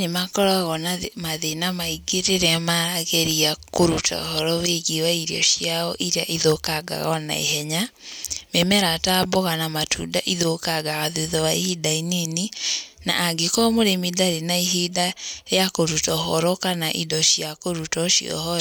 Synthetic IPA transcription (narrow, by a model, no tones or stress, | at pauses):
nemakɔɾaɣɔnamaðenamaiɡeɾeɾɛmaɾaɣɛɾiakoɾutʰɔ̰hɔɾɔβeɣiwaiɾjɔ̰ʃijaɔʔiɾaʔiðokaɡa̰ɣɔna̰ḭɦɛɲamemɛɾataboɣanamatʰṵda̰ʔiðokaɡaɣaðuðɔwaihidaineni | na̰ʔːɡekɔmoɾemiðaɾinaiɦidaejakoɾutɔɦɔɾɔkanaʔidɔʃiakoɾutɔʃḭɔ̰hɔɾ